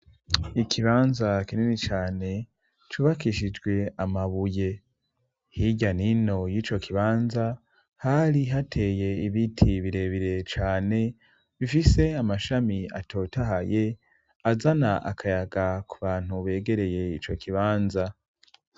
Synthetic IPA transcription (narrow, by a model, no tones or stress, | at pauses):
ikʰiβaːnzakinenit͡ʃaːne̞ | t͡ʃuːβakiʃid͡ʒɡwe̞amaβuje̞ | hiɟanino̞jiːt͡ʃo̞kʰiβaːnza | haɾiɦatʰe̞je̞iβitʰiβiɾe̞ːβiɾe̞t͡ʃaːne̞ | βifise̞amaʃamia̰tʰo̞ːtaɦaje̞ | azanaʔa̰kʰajaɡakuβaːn̥huβe̞ːɡe̞ɾe̞je̞it͡ʃo̞kiβaːnza